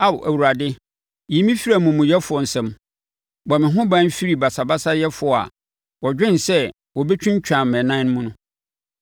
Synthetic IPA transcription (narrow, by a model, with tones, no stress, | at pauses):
a˦wʔæ˨wu˨ɾa˨dɪ˦ | ji˨˦mĩ˦fi˦ɾa˨mũ˨mũ˨jɛ˦fʊ˨ɔ˨n̩˨sɛ̃˨m | bɔ˨mɪ̃˨ɦʊ̃˦bã˦n˦fi˦ɾi˨ba˨sa˨ba˦sa˦jɛ˦fʊ˨a̰˨ | wɔ˨d͡ʑᶣɪ̃˦n˨sɛ˦ | wɔ˨bɛ˦t͡ɕʰᶣʊ̃˦ɲ˦t͡ɕʰᶣã˨m˨mɛ̃˨nã˦ñ˦mũ˦nʊ̃˦